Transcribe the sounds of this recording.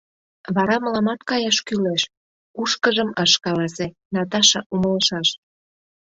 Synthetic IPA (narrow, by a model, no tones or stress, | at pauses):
βɑɾɑməlɑmɑt̪kɑjɑʃkyleʃ | kuʃkəʒəməʃkɑlɑse | nɑt̪̬ɑʃɤ̆ʔumə̆ləʃɑʃ